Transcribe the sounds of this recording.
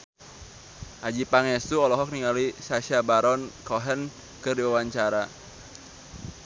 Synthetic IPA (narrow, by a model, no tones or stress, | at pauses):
ʔad͡ʒipaŋɛst̪uɔlɔɦɔk̚niŋalisaʃiabaɾɔnkɔɦən | kɨrdiwawaɲt͡ʃaɾa